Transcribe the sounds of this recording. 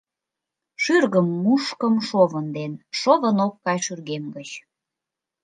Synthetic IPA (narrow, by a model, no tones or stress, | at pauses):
ʃyrɣəmːuʃkəmʃoβənd̪enʃoβənokːɑjʃyrɣemɡət͡ɕ